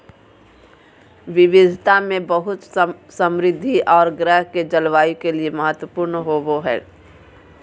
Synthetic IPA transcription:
ʋɪʋɪd̪ʱt̪amẽbəɦʊt̪sə̃mɾɪd̪ʱːiʔɔːɾɡɾəɦked͡ʒɐlʋaːikelieməɦət̪wəpuːɾnɦoboɦɛ̰ː

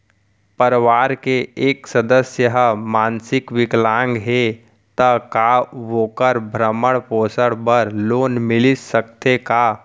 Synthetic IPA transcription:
pəɾʋaːɾkeeːksəd̪əsjəɦmaːnsɪkʋɪklãːŋɡɦe | t̪əkaʋoːkəɾbʱɾəməɽpoːsəɽbəɾloːnmɪlɪsəkt̪eka

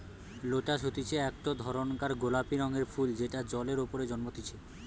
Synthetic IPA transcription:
loʈaʃot̪it͡ɕʰeɛkʈod̪ʱɔɾonkaɾɡolapiɾɔŋeɾfʰuld͡ʑeʈad͡ʑɔleɾopoɾed͡ʑɔnmot̪it͡ɕʰe

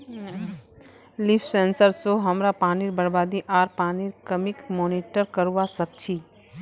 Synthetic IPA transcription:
lɪfsẽːnsəɾsoɦɐmɾapaːniɾbɐɾbaːd̪iʔaːɾpaːniɾkɐmɪkmɔːniʈəɾkəɾuʋasɐk̚t͡ʃʰiː

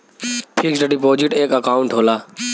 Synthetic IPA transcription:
ʈʰiːkd͡ʒəɖipoːd͡ʑɪʈeːkɐkaːʊ̃ɳʈɦoːlaː

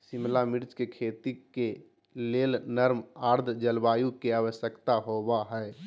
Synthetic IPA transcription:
sɪmlamɪɾt͡ʃkekʰeːt̪ike | leːlnəɾmaːɾd̪ʱd͡ʒəlbaːjukeaːwəsjəkt̪aɦobaɦɛː

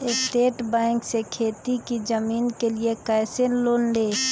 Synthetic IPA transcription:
ɪsʈeːʈbɛ̃ːŋksekʰeːt̪ikid͡ʒəmiːnkeliekaɪsenloːnleː

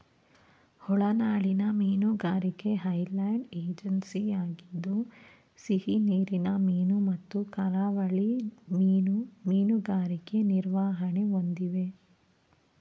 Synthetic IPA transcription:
hɔɭɐnaːɭinɐmiːnuɡaːɾikeɦɐjlɐjɳɖeːd͡ʒɐnsiaːɡid̪ːu | sihiniːɾinɐmiːnumɐt̪ːukɐɾaʋɐɭi | umiːnuɡaːɾike̞niɾʋaːɦɐneond̪iʋe̞

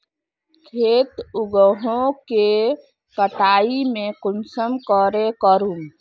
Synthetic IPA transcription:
kʰeːt̪uɡəɦõke | kəʈaːimẽkʊnsəmkəɾekəɾum

